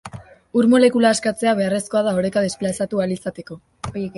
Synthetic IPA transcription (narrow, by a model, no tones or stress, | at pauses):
uɾmo̞le̞kulaːskat͡se̞aβe̞are̞sko̞að̞ao̞ɾekaðe̞splasat̪ualisat̪e̞ko̞